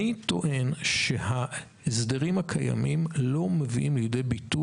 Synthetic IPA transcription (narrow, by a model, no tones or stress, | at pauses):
it̪o̞ʔe̞nʃeha | esdeʁimhakʰaja̰mimlo̞meviʔimlijde̞jbitu